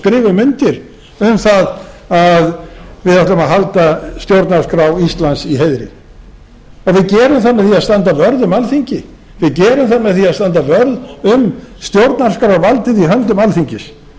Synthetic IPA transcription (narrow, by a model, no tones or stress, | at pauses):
kɾɪːvʏmʏnt̪ɪɾ | ʏmθaðaðvɪðaht̪ʏmaðɦalt̪ast̪jowɾt̪naɾskɾawist̪lansiɦejðɾɪ̰ | ɔɣvɪðcɛːɾʏmθanmːɛðθiaðst̪ant̪avœɾðʏmalθiɲcɪ | vɪðcɛːɾʏmθanmːɛðθiaðst̪ant̪avœɾðʏmst̪jowɾt̪naɾ̥skɾawavalt̪ɪðiɦœnt̪ʏmalθiɲcɪs